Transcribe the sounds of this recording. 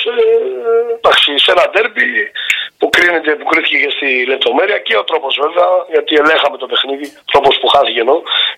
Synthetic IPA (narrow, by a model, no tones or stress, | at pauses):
e | d̪ɐksisenɐd̪e̞ɾbipukɾine̞t̪̬e̞pukɾiθi̥cecest̪ile̞p̚t̪o̞me̞ɾiɐceo̞t̪ɾo̞po̞zve̞veɐʝɐt̪iele̞xɐme̞t̪o̞pe̞xniðiot̪ɾo̞po̞spuxɐθice̞no